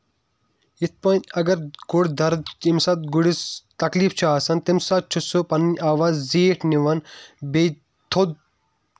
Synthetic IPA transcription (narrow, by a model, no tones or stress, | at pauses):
it̪̚ʰpɐnʲɐɡɐɾɡʊɽd̪ɐɾd̪t͡ʃimsɐt̪̚ɡuɽist̪ɐkliːft͡ʃʰaːsɐnt̪imsat͡ʃʰusopɐnnʲaːʋaːzziːʈʰniʋɐnbe | t̪ʰod̪